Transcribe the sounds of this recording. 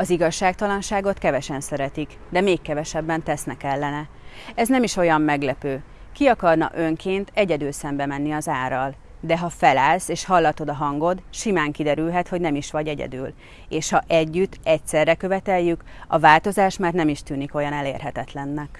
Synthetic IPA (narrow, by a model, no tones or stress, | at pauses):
ɒziɡɒʃːaːk̚t̪ɒlɒnʃaːɡo̞t̪kɛvɛʃɛnsɛɾɛt̪ik | d̪ɛmeːkːɛvɛʃɛbːɛnt̪ɛsn̪ɛkɛlːɛnɛ | ɛznɛmiʃo̞jɒmːɛɡlɛpøː | kiɒkɒrnɒ̰ʔø̞ŋkʰeːnt̪ʰɛɟɛd̪ylsɛmbɛmɛnːiɒzaːrɒl | d̪ɛɦɒfɛlaːlseːʃhɒlːɒt̪o̞d̪ɒɦɒŋɡo̞d̪ʃimaːŋkid̪ɛɾylɦɛt̪ho̞ɟnɛmiʃʋɒɟɛɟɛ̰d̪y̰ːl | eːʃhɒʔɛɟːyt̪ːɛcsɛrːɛkø̞vɛt̪ɛjːykɒvaːlt̪o̞zaːʃmaːrt̪nɛmiʃt̪yːniko̞jɒnɛlḛːrɦɛt̪ɛt̪lɛnːɛk